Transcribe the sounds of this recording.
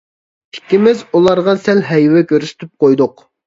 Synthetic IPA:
i̥kʲːimɪzulˠɑɾʁɑsɛlɦɛjwɛkʲʰøɾsɪ̥t̪ʰyp̚qʰojd̪ʊq

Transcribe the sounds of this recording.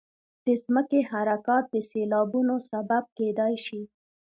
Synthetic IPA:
d̪̥əzməkehaɾakɑt̪̚d̪əselɑbunosabab̚ked̪ɑjʃi

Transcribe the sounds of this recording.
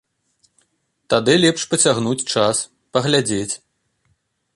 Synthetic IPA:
t̪ad̪ɨlʲɛpʂpɐt͡sʲaɣnut͡sʲt͡ʂas | pɐɣlʲad͡zʲet͡sʲ

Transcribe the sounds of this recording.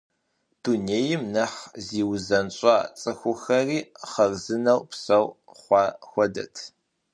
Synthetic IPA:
d̥uːneːjɪmnɐħziːwzɐnɕʷʼɑːt͡sʼɨxʷʊxɐriːχɐrzɨnɐwpsɐw | χʷɑːxʷɔdɐ̰tʰ

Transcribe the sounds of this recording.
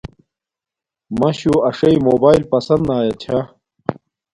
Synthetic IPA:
mɐɕuɐʂɐimoːbaːilpɐsɐnd̪naːjɐt͡ɕʰa

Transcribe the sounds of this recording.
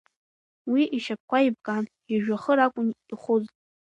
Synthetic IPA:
wiʔiʃap̚kʷaib̚kʼan | iʒᶣaχəɾakʷʼʊniχʷʊztʼ

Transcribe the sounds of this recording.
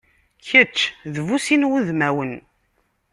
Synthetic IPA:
çət͡ʃːðvusinwuðmæwən

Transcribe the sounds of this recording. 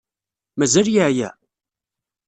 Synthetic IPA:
mæzæljəʕjæ̰

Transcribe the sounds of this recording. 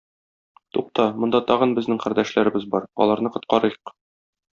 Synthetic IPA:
t̪uq̚t̪ɑmŏnd̪ɑt̪ɒʁɤ̆nbɘ̆znɘŋqæɾd̪æʃlæɾɘ̆bɘzbɒɾɒ̰lˠɑɾnɤqŏt̪̚qɑɾɤjq

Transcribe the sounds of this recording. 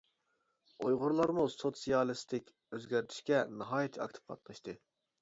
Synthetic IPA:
ojʁʊɾlˠɑɾmusot̪sijɑlˠɨst̪ʰɪkʲ | øzɡʲæɾt̪ʰi̥ʃkʲɛnɨɦɑːjet̪ʰɑ̰k̚ʲt̪ʰɨ̥p̚qʰɑ̰t̪̚nɨʃt̪ɨ

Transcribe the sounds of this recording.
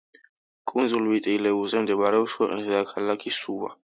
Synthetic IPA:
kʼunzulwit̪ʼiːlɛuzɛmd̪ɛmaɾɛɔswʰɛqʼnisd̪akʰalakʰisuwa̰

